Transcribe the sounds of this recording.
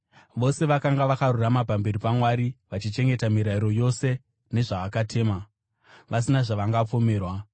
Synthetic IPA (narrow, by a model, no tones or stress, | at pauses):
ʋo̞se̞ʋakaŋɡaʋakaruramapambe̞ɾipamwaɾiʋat͡ʃit͡ʃe̞ŋɡe̞tamiɾaiɾo̞jo̞se̞ | ne̞ʐaʋakatʰe̞ːma | ʋas̬inaʐaʋaŋɡap͡fo̞me̞ːrwa